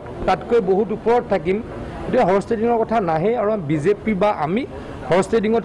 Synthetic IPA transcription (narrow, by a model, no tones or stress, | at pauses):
tatkojboɦutupɔɹɔttʰːak̬im | tiaɦɔɹɔstediŋɔɹkɔtʰanaɦɛaɹuabizepibaʔa̰mi | hɔɹɔstediŋɔt